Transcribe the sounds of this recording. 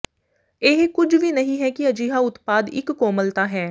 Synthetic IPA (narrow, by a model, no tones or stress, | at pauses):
eɦkʊd͡ʒʋiːnəɦĩːɦɛːkɪəd͡ʒiːɦaːʊt̪paːd̪ɪ̰kːoːməlt̪aːɦɛː